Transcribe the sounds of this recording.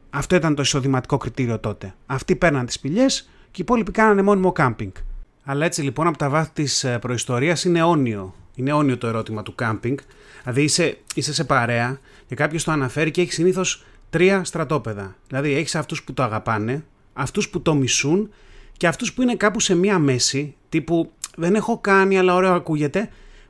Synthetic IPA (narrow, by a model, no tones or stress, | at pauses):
ɐft̪o̞it̪ɐnt̪o̞iso̞ðimɐt̪i̥ko̞kɾit̪iɾio̞t̪o̞t̪e̞ɐft̪ipe̞ɾnɐnt̪i̥spiʎe̞s | ceipo̞lipikɐnɐnemo̞nimo̞kɐmpiŋɡ | ɐlɐe̞t͡silipo̞nɐpo̞t̪ɐvɐsi̥t̪ispɾo̞ist̪o̞ɾiɐsine̞o̞nio̞ineo̞nio̞t̪oe̞ɾo̞t̪imɐt̪ukɐmpiŋɡ | lɐðiise̞ise̞se̞pɐɾe̞ɐ | ce̞kɐpço̞st̪o̞ɐnɐfe̞ɾiceeçi̥siniθo̞s | t̪ɾiɐst̪ɾɐt̪o̞pe̞ðɐðilɐðie̞çi̥sɐft̪usput̪oɐɣɐpɐne̞ | ɐft̪usput̪o̞misun | ce̞ɐft̪uspuine̞kɐpuse̞miɐme̞sit̪ipuðe̞ne̞xo̞kɐniɐlɐo̞ɾe̞oɐkuʝe̞t̪e̞